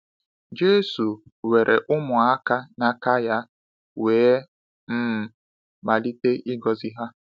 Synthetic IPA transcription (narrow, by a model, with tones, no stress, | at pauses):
d͡ʒe˦su˨we˨ɾʔe˨ʔʊ˦mʊ˨a˦ka˦na˦ka˦ja˦ | weː˨˦ | m̩˦m̩˨ | ma˨li˦te˦ʔi˦ɡɔ˨zi˦ɦa˦